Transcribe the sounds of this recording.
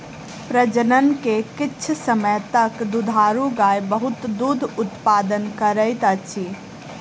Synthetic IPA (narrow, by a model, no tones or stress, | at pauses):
pɾəd͡ʒənənkekɪːt͡ʃʰsəməjt̪əkd̪ud̪ʱaːɾũɡajbəɦut̪d̪ud̪ʱʊt̪paːd̪ənkəɾəɪt̪ət͡ʃʰi